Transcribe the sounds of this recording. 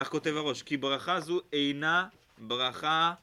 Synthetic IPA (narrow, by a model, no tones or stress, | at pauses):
aχko̞t̪e̞vhaʁo̞ʃkibʁaχazuejna | bʁaχa